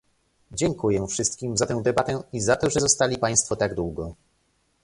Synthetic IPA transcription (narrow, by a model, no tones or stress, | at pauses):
d͡ʑɛŋkujɛfʂɘst̪kʲimzat̪ɛ̃w̃d̪ɛbat̪ɛizat̪ɔʐɛzɔst̪alʲipaj̃st̪fɔt̪aɡd̪wuɡɔ